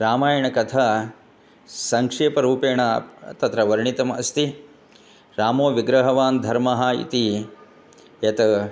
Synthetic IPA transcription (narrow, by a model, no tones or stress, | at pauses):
ɾaːmaːjɐɳɐkɐt̪ʰa | sɐŋkʂeːpɐɾuːpeːɳɐt̪ɐt̪ɾɐʋɐɾɳit̪ɐmɐ̰st̪i | ɾaːmoːʋiɡɾɐɦɐʋaːnd̪ʱɐɾmɐɦaːḭt̪i | jɐt̪ɐ